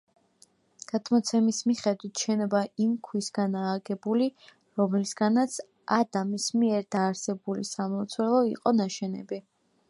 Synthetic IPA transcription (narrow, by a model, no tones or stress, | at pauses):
ɡ̥at̪ʰmɔt̪sʰɛmismiχɛd̪wit̪ʰʃɛnɔbaimkʰwisɡanaːɡɛbuli | ɾɔmlisɡanat̪sʰ | ad̪amismiɛɾd̪aːɾsɛbulḭsamɔt̪sʰwɛlˠɔḭqʼɔnaʃɛnɛ̰bi